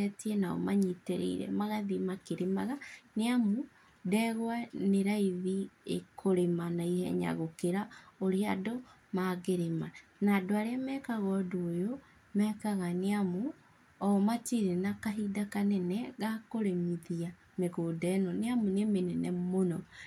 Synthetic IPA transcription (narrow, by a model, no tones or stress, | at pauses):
ɛtiɛnaɔ̰maɲiteɾḛḭɾɛ̰maɣaðimakeɾemaɣaneamu | dɛɣwaneɾaiðiḛkʰoɾemanaihɛ̰ɲa̰ɣokeɾaoɾeado | maɣeɾema | naːdoaɾeamɛkaɣɔdoːjo | mɛkaɣaneamu | ɔmatiɾenakaɦidakanɛnɛɣakoɾemiðia | meɣoːdɛnɔneamunemenɛnɛmonɔ